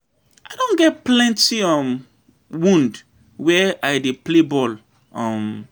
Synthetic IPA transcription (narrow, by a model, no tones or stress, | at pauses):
aɪdõnɡɛt̚plɛ̃ntiɔm | wũnd | wɛaɪdeplebɔl | ɔ̃m